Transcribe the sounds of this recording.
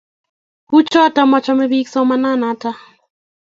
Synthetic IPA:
ku˦t͡ʃɔ˦ta˨˦mɔ˦t͡ʃɔ˦mɛ˦bi˦ksɔ˦ma˦na˦na˨ta˦

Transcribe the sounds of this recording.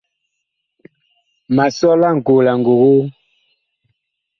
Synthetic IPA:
ma˨sɔ˦la˦˨ŋ˨ɡo˨la˨ŋɡo˨ɣo˦

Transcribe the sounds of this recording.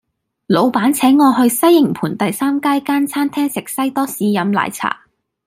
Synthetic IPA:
lo˨˧wpaː˨˥nt͡sʰɛː˨˥ŋːɔː˧ɦɵ˧ɥsɐ˥jːɪ˨˩ŋpʰuː˨˩nt̪ɐ˨jsaː˥mkaː˥jkaː˥nt͡sʰaː˥nt̪ʰɛː˥ŋsɪ˨˩k̚sɐ˥jt̪ɔː˥siː˧jɐ˨˧mla̰ː˨jt͡sʰa̰ː˨˩

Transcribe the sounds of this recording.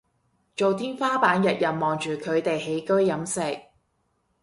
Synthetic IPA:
t͡ʃo˨wt̪ʰiː˥nfaː˥paː˨˥njɐ˨t̚jɐ˨n̚mɔː˨˩ŋt͡ʃyː˨kʰɵ˨˧ɥt̪e˨jɦe˨˥jkɵ˥ɥjɐ˨˥msɪ˨k̚

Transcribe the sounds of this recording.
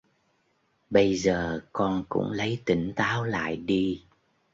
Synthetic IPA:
ɓə˧jzəː˨˩kɔ˧nkʊ̰˧˥ŋ͡mlə˨˦jt̪i˧˩ŋ̟t̪aː˨˦wla̰ː˧˨jɗi˧

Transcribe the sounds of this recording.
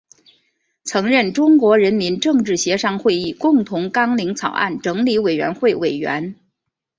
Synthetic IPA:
t͡sʰɤ˧˥ŋɻə˥˩nʈ͡ʂʊ˥ŋkwɔ˧˥ɻə˧˥nmi˧˥nʈ͡ʂɤ˥˧ŋʈ͡ʂɻ̩˥˩ɕjɛ˧˥ʂɑ˥ŋxwe˥˧ɪi˥˩kʊ˥˩ŋt̪ʰʊ˧˥ŋkɑ˥ŋli˧˥ŋt͡sʰɑ˨˩ʊʔa̰˥˩nʈ͡ʂɤ˧˥ŋli˧˥we˨˩ɪɥɛ̰˧˥nxwe˥˩ɪwe˨˩ɪɥɛ̰˧˥n

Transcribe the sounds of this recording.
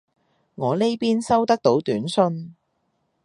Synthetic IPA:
ŋɔː˨˧le˥jpiː˥nsɐ˥wt̪ɐ˥k̚t̪o˨˥wt̪yː˨˥nsɵ˥n

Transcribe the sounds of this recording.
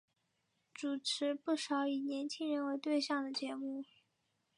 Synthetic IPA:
ʈ͡ʂu˨˩ʈ͡ʂʰɻ̩˧˥pu˥˩ʂɑ˧˥ʊi˨˩njɛ˧˥nt͡ɕʰi˥ŋɻə˧˥nwe˧˥ɪt̪we˥˧ɪɕjɑ˥˩ŋd̪ə˩t͡ɕjɛ˧˥mu˥˩

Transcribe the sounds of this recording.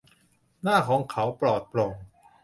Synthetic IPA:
naː˥˩kʰɔː˨˩˦ŋkʰa˩˦wpɾɔː˨˩t̪̚ploː˧ŋ

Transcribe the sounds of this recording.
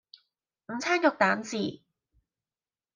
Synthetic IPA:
m̩˨˧t͡sʰaː˥njʊ˨k̚t̪aː˨˥nsiː˨˩

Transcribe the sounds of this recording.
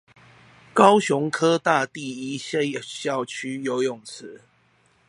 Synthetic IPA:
kɑ˦ʊɕʊ˨˦ŋkʰɤ˦t̪a˥˨t̪i˥˨i˦ɕɕjɑ˥˨ʊt͡ɕʰy˦jo˨˦ʊjʊ˨˩ŋt͡s̩ʰ˨˦

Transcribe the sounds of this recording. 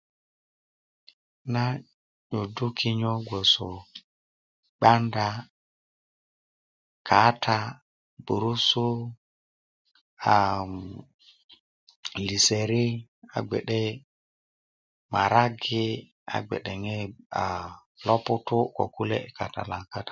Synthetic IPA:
na˦ | ɲo˨du˦kʰɪ˦ɲɔ˦ɡʷo˨so˨ | k͡pa˦nda˦ | kʰa˨˦tʰa˦ | bu˨ɾu˦su˦ | a˨ | li˨se˨ɾɪ˦a̰˨ɡ͡bɛ̰˨ɗɛ˦ | ma˨ɾa˦ɡɪ˦ | a̰˨ɡ͡bɛ̰˨ɗɛ˨ŋɛ˦a˨ | lɔ˦pʊ˦tʊ˦kɔ̰˨ku˦lɛ̰˦˨ka˨ta̰˨la˨ka˦tḁ˨

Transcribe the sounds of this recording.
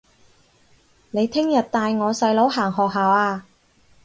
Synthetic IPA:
ne˨˧jt̪ʰɪ˥ŋjɐ˨t̚t̪aː˧jŋɔː˨˧sɐ˧jlo˨˥wɦaː˨˩ŋɦɔː˨k̚ɦaː˨waː˧

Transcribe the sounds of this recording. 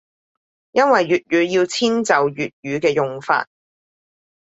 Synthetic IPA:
jɐ˥nwɐ˨jɥyː˨t̚jyː˨˧˥jiː˧wt͡sʰiː˥nt͡sɐ˨wjyː˨t̚jyː˨˧kɛː˧jʊ˨ŋfa̰ː˧t̚

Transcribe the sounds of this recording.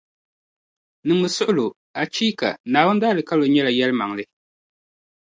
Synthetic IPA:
nɨ˨ŋbɨ˨sʊ˦ʔʊ˦lʊ˨ | a˨t͡ʃiː˦ka̰˨naː˨wʊ˦n˦daː˦lɨ˨ka˦lo˨ɲɛ˦la˨jɛ˦lɨ˦ma˨ŋ˨lɨ˦

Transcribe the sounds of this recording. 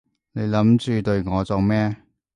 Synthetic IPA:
ne˨˧jlɐ˨˥mt͡ʃyː˨t̪ɵ˧ɥŋɔː˨˧t͡so˨˧wmɛː˥

